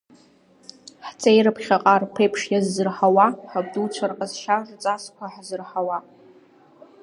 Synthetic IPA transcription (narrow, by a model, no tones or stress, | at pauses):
ħt͡sʼejɾɨpʰχʲaqʼarpʰejpʰʂjazːɨrħawaħab̚dut͡ɕʷʰarqʼazʃart͡sʼaskʷʰaħzɨrħawa